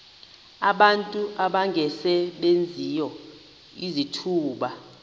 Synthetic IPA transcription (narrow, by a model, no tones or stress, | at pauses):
aɓantʼuʔaɓaŋɡʱɛsɛɓend͡zʱijɔ | izitʰuːɓa